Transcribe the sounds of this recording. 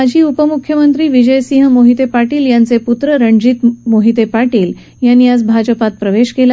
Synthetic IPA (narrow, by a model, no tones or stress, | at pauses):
ad͡ʑʱiːupəmukʰjəmənt̪ɾiːʋid͡ʑəjsĩɦmoɦit̪epaʈiːljãnt͡seput̪ɾəɾəɳd͡ʑit̪moɦit̪epaɾʈiːl | janːiat͡sbʱad͡ʑəpat̪̚pɾəʋeɕkela